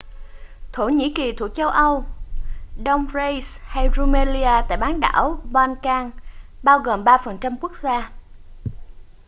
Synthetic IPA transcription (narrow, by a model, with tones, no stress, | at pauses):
t̪ʰo˧˩ɲḭ˧˥ki˨˩t̪ʰu˨˧˩ək̚t͡ɕə˧wʔə˧w | ɗə˧wŋ͡mze˧jsha˧jzu˧me˧li˧aː˧t̪a̰ː˧˨jɓaː˨˦nɗa̰ː˧˩wɓaː˧nkaː˧ŋɓaː˧wɣoː˨˩mɓaː˧fə˨˩nt͡ɕa˧mku˦˥ək̚zaː˧